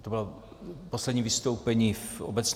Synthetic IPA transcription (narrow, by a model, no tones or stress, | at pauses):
t̪obɪlo | poslɛd̪ɲiːvɪst̪owpɛɲiːfobɛt͡s